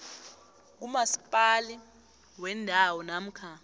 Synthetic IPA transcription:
k̬umasi̥pʼali | wɛndʱawɔnam̩kʰa

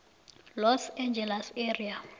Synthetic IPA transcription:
lɔsɛnd͡ʒɛlaseria

